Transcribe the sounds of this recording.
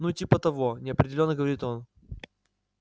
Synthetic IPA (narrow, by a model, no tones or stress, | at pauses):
nutʲipət̪ɐvo̞nʲɪɐpɾʲɪdʲɪlʲo̞nːəɡəvɐɾʲit̪o̞n